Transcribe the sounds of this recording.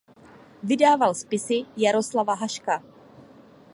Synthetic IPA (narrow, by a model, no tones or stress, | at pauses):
vɪdaːvalspɪsɪjaɾoslavaɦaʃka